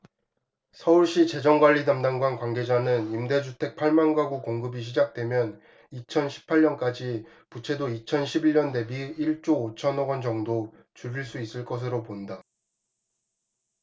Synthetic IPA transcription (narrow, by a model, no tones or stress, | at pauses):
sʰʌuɭɕ͈it͡ɕe̞d͡ʑʌŋɡwaʎːidamdaŋɡwankwaŋɡe̞d͡ʑanɯnimde̞d͡ʑʰutʰe̞k̚pʰaɭmanɡwaɡukoŋɡɯbiɕ̬ʰid͡ʑak̚t͈we̞mjʌn | it͡ɕʰʌnɕʰi̥pʰaʎɲʌnk͈ad͡ʑi | put͡ɕʰe̞doit͡ɕʰʌnɕʰibiɭɲʌnde̞biiɭt͡ɕ͈oːt͡ɕʰʌnʌɡʌnd͡ʑʌŋdo | t͡ɕuɾiɭs͈uis͈ɯɭk͈ʌs̬ʰɯɾoponda